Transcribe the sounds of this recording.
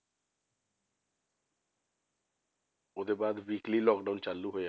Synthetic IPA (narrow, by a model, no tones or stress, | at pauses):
od̪ebaːd̪ʋiːklilɔːk̚ɖaunt͡ʃalːuɦoea